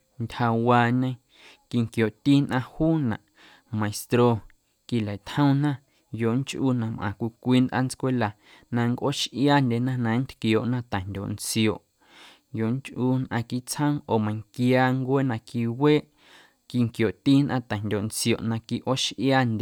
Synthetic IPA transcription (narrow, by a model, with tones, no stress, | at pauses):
ntʲha˧waː˧˨ɲẽ˧˦ | ki˧ŋkjo˨ʔt̪iː˦nʔã˧huː˦nã̰˨ʔ | mã˨e˨st̪ɾo˧ | ki˧˨la˨t̪hə̃˦nã˦ | jo˨ʔŋt͡ʃʔuː˦˧nã˧˨mʔã̰˨kʷi˧kʷiː˧˦nd̪ʔa̰˦˨n˦t͡skʷe˦la˨ | nã˧ŋkʔo˦ʃʔjaː˦˨nd̪ʲe˧˨nã˦nã˨˦n̩˦t̪kjo˨ʔnã˦t̪a˨ndʲo̰˨nt͡sjo˨ʔ | jo˨ʔŋt͡ʃʔu˧nʔã̰˧ki˧˨t͡shə̃˦ʔo˨mã˨ŋkjaː˧ŋkʷeː˦nã˧ki˧weː˦ʔ | ki˧˨ŋkjo˨ʔt̪iː˦nʔã̰˦˨t̪a˨ndʲo˨nt͡sjo˨ʔnã˧ki˧ʔo˦ʃʔjaː˦ndʲe˧